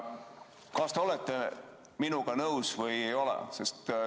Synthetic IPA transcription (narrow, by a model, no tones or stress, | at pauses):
kɑst̪eo̞le̞t̪ːˑe̞ | minuɡ̥ɑnɤwsvɤje̞jo̞lḛse̞st̪